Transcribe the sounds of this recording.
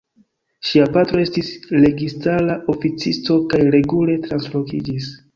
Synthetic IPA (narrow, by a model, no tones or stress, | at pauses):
ʃiapatɾo̞e̞stisle̞ɡistalaofit͡sisto̞kajɾe̞ɡule̞tɾanslo̞kḭd͡ʒis